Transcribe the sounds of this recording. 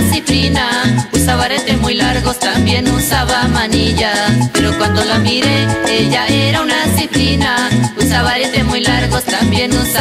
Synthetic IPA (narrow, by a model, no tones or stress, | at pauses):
sipɾinausaβaɾet̪emujlaɾɣost̪ambjenũsaβamaniʎapeɾokwand̪olaβiɾeeʎaeɾaunasipɾinausaβaɾeemujlaɾɣost̪ambjenũsa